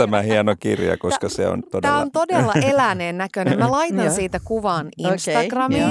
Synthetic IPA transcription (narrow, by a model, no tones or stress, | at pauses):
æmæhiɑnokḭrjɑ̰koskɑsḛo̰nt̪od̪t̪æːont̪odelːɑʔelæneːnnækønemælɑit̪ɑnsiːt̪ækuʋɑːninnst̪ɑɡrɑmiː